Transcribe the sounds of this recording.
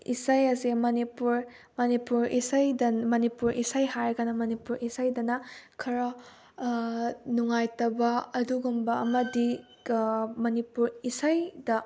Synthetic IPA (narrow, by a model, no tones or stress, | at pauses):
isajɐzimɐnipuɾ | mɐnipuɾisajdɐmɐnipuɾʔisajɦaɾɡanɐmɐnipuɾisajdɐnɐkʰɐɾɐ | nuŋajtɐbɐɐduɡumbɐɐmɐdi | mɐnipuɾisajdɐ